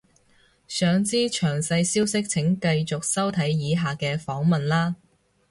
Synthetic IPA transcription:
sœː˨ŋt͡siː˥t͡ʃʰœː˨˩ŋsɐ˧jsiː˥wsɪ˥k̚t͡sʰɪ˨˥ŋkɐ˧jt͡sʊ˨k̚sɐ˥wt̪ʰɐ˨˥jjiː˨˧ɦaː˨kɛː˧fɔː˨˥ŋmɐ˨nlaː˥

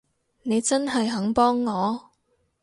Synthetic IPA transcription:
ne˨˧jt͡sɐ˥nɦɐ˨jɦɐ˨˥ŋpɔː˥ŋːɔː˨˧

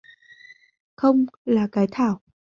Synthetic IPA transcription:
xə˧wŋ͡mlaː˨˩kaː˨˦jt̪ʰaː˧˩˨w

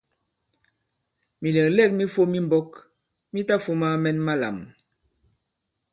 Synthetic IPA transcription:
mi˨lɛ˨klɛ˦˨k̚mi˦fo˦mi˦mbɔ˦k | mi˦ta˦fo˦ma˦mɛ˦nma˦la̰˨m

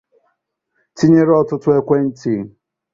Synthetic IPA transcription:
ti˦ɲe˦ɾɔ˦tʊ˦tʊ˦e˦kʷe˦n̩˦ti˦˨˦

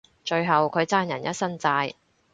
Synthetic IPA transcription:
t͡ʃɵ˧ɥɦɐ˨wkʰɵ˨˧ɥt͡saː˥njɐ˨˩njɐ˥t̚sɐ˥nt͡saː˧j

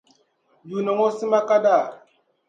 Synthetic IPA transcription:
du˨no˨ŋo˦si˦ma˦ka˦da˦˨

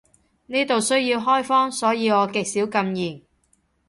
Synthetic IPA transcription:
niː˥t̪o˨wsɵ˥ɥjiː˧wɦɔː˥jfɔː˥ŋsɔː˨˥jiː˨˧ɔː˨˧kɪ˨˧k̚siː˨˥wkɐ˧mjiː˨˩ŋ

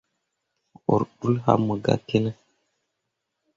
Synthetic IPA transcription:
o̰˨ɾɗu˦lha̰˦mə˨ɡa̰˨ke˦nə˦

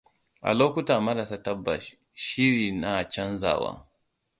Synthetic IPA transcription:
ʔa̰˨loː˦kʷu˦taː˨mɐ˦ɾa˨sa˦ta˦bːa̰˨ | ʃi˦ɾiː˨na˨t͡ʃɐ˦nza̰ː˨wa̰ː˦

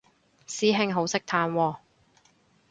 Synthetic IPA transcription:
siː˨˥ɦɪ˧ŋɦo˨˥wsɪ˥k̚t̪ʰaː˧nwɔː˧

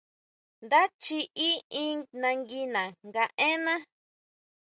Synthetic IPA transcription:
nd̪a˦t͡ʃi˧ʔi˦ĩ˦nã˧ŋɡi˧nã˨ŋɡa˧ʔẽ˦nã˦

